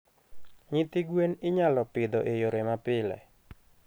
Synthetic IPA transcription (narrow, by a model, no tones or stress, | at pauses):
ɲɪt̪ɪɡwenɪɲalɔpɪd̪ɔʔejoɾemapɪlɛ̰